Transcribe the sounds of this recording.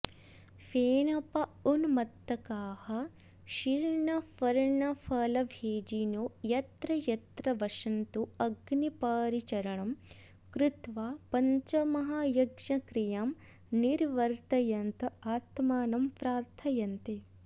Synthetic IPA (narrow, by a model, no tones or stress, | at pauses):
feːnɐpɐunmɐt̪ːɐkaːhɐ | ʃiɾɳɐfɐɾɳɐfʰɐlɐʋʱeːd͡ʒinojɐt̪ɾɐjɐt̪ɾɐʋɐʂɐnt̪uɐɡnipaːɾit͡ʃɐɾɐɳɐm | kɾɪt̪ʋaːpɐɲt͡ʃɐmɐɦajɐɡʂɐkɾijaːm | niɾʋɐɾt̪ɐjɐnt̪ɐaːt̪maːnɐmpɾaːɾt̪ʰɐjɐnt̪e